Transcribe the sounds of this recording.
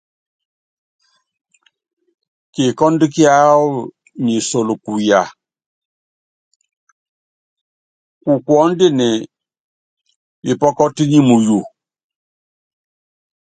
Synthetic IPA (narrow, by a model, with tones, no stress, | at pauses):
ki˨kɔ˦ndi˦ki˦a˦ | ɲi˨so˨lu˨ku˨ja˨ | ku˨kwɔ˦ndi˦ni˨ | bi˨pɔ˦kɔ˦ti˦ɲi˦mu˨ju˨